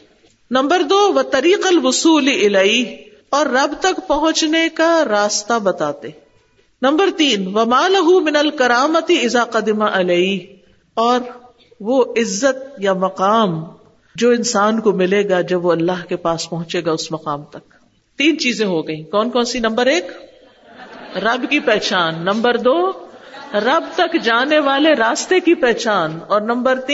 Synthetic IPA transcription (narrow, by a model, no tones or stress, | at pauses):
nɐ̃mbəɾd̪oːʋɐt̪ɐɾiːqɐlwʊsuːliɪlɐɪɦ | ɔːɾːɐbt̪ɐkpɐɦʊ̃t͡ʃnekaɾaːst̪abɐt̪aːt̪eː | nɐ̃mbəɾt̪iːnʋɐmaːlɐɦumɪnɐlkɐɾaːmɐt̪iɪzaːqɐd̪ɪmaʔɪleiɦ | ɔːɾ | ʋoɪzːət̪̚jamɐqaːm | d͡ʒoːɪ̃nsaːnkomɪleːɡad͡ʒɐbʋoɐlːaɦkepaːspɐɦʊ̃t͡ʃeːɡaʊsmɐqaːmt̪ɐk̚ | t̪iːnt͡ʃiːzẽɦoɡɐĩːkɔːnkɔːnsinɐ̃mbəɾeːk | ɾɐbkipɛɦt͡ʃaːnːɐ̃mbəɾd̪oː | ɾɐbt̪ɐkd͡ʒaːneʋaːleɾaːst̪ekipɛɦt͡ʃaːnɔːɾnɐ̃mbəɾt̪i